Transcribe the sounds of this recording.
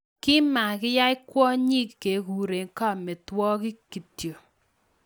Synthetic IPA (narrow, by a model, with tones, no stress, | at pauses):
kɪ˦ma˨kɪ˦ja˦ɪ˦kwɔ˦ɲi˦kke˨ku˨ɾe˨ŋ˦ka˦mɪ˨twɔ˦kɪ˦ki˨tjo˨